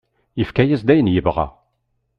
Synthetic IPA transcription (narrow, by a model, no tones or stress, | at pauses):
jəfkæjəzd̪æjənjəvʁa̰